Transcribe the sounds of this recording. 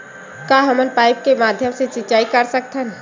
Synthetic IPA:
kaɦəmənpaːɪp̚kemaːd̪ʱjəmset͡ʃit͡ʃaːikəɾsək̚t̪ʰən

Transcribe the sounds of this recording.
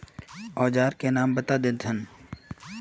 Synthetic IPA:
ɔːd͡ʒaːɾkenaːmbɐt̪ad̪ɪd̪ʱʰən

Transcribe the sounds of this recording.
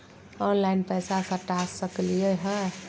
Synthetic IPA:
ɔnlainpəjsasə̃ʈasːəklijeɦə

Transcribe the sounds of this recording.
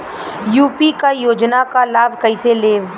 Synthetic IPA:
juːpikajoːd͡ʒnakalaːbʱkɐɪseleː

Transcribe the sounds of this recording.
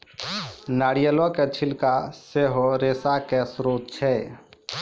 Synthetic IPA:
naːɽijəlɔ̃ket͡ʃʰilkaseɦoɾeːsakesɾoːt̪̚t͡ʃʰɛ

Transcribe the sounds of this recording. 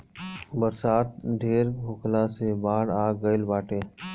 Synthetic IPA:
bəɾsaːt̪̚ɖ̪ʱeːɾbʱʊːkʰlasebaːɽaːɡəɪlbaːʈeː

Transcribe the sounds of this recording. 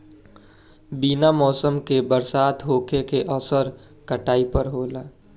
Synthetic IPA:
binamɔːsəmkebəɾsaːt̪ɦoːkekeʔɔsəɾ | kəʈaːipəɾɦoːlaː

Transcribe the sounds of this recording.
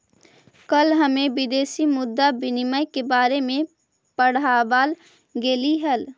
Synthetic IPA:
kəlɦɐmẽʋɪd̪eːsimʊd̪ːabɪnɪməjkebaːɾemẽ | pəɽ̤aːbaːl | ɡeːliɦəl

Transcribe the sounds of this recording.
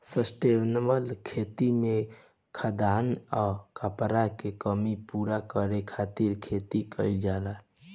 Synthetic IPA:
səsʈebnbəlkʰet̪ime | kʰəd̪anɔkəpɾakekəmipuɾakəɾekʰat̪iɾkʰet̪ikəɪld͡ʒala

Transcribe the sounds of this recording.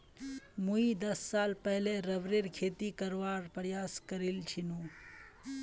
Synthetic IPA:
muid̪ɐsːaːlpɛɦleɾɐʋɾeɾkʰeːt̪ikəɾʋaːɾpəɾjaːskəɾilt͡ʃʰinu

